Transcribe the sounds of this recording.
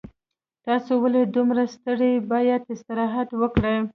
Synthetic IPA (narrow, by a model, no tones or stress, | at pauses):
t̪ɑsowaled̪umɾast̪əɽebɑjat̪ɪst̪ɪɾɑɦat̪wəkɽəj